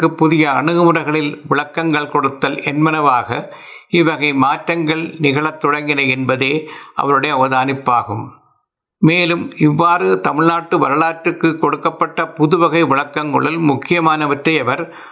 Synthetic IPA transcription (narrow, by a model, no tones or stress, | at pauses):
ɯpːʊðɪjɐɐɳɯɣɯmɯrɐɪɣɐɭɪlʋɪɭɐkːɐŋɡɐɭkɔɽɯt̪ːɐlɛnmɐnɐʋaːɣɐ | ɪʋɐɣɐɪmaːʈɾɐŋɡɐɭnɪɣɐɭɐt̪ːɔɽɐŋɡɪnɐɛnbɐðeːʔɐ̰ʋɐɾɯɽɐjɐʋɐðaːnɪpːaːɣɯm | meːlɯmɪʋːaːɾɯt̪ɐmɪɭnaːʈːɯʋɐɾɐlaːʈɾɯkːɯkːɔɽɯkːɐpːɐʈːɐpʊðɯʋɐɣɐɪʋɪɭɐkːɐŋɡɐ̰ɭɪlmʊkːɪjɐmaːnɐʋɐʈɾɐjɐʋɐɾ